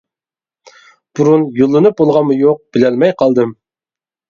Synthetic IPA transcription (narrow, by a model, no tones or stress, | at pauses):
b̥uɾunjolˠːɨnɨp̚bolˠʁɑnmujoq̚b̥ɪlælmɛjqʰɑlˠd̪ɨm